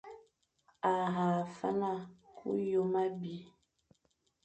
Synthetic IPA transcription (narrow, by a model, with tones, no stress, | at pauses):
a˨ɦa˨fa̰˦na˦˨kʰṵ˦jo˦ma˦bi˨